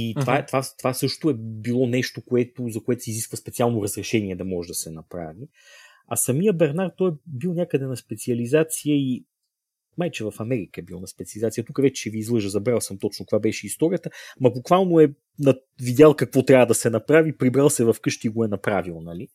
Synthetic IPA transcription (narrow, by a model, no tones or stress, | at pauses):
it̪ovaɛt̪vat̪ovasɤʃt̪oɛbilˠɔnɛʃt̪okoɛt̪ozɐkoɛt̪ʊ̥siziskvəspɛt̪sialˠnoɾɐzɾɛʃɛniɛd̪ɐmɔʒɛd̪ɐsɛnɐpɾa̰vi | ɐsɐmijəbɛɾnaɾt̪ːɔjbilˠnʲakəd̪ɛnɐspɛt̪siɐlizat̪sijəi | majt͡ʃɛvɐfɐmɛɾikəɛbilˠnɐspɛt̪siɐlizat̪sijət̪ukəvɛt͡ʃɛ̥ʃɛviːzlˠɤʒəzɐbɾalˠsəmt̪ɔt͡ʃnot̪kvabɛʃɛist̪ɔɾʲijət̪əmɐbukvalˠnoɛ | nɐ | vid̪ʲalˠkɐkvɔt̪ɾʲavəd̪ɐsɛnɐpɾavipɾibɾalˠsɛvɐfkɤʃt̪iːɡoɛnɐpɾavilˠnɐli